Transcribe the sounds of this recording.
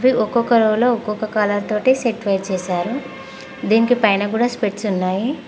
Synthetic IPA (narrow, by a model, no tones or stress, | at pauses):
ʋiʔɔkɔkɐɾowlo̞ːɔkːokɐkaːlɐlt̪o̞ːʈiseʈʋejɾt͡ʃɛːʃaːɾu | d̪iːnikipɐjnɐkuːɽaːspeʈsunːaːji